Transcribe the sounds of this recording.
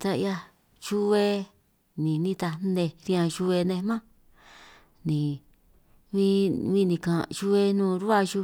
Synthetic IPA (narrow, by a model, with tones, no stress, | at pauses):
t̪a˧ja˧ | ʃu˦e˧ | nĩ˨nĩ˧t̪a˧˦ndẽ˧ɾĩ˧ã˧ʃu˧e˧nẽ˧mã˦ | nĩ˨ | βĩ˦βĩ˦˧nĩ˨kã˨t͡ʃu˧e˧nũː˦˨ɾu˦a˦˧ʒu˧